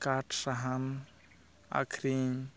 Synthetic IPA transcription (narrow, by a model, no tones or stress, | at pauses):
kaʈʰsaɦan | a̰kʰɾi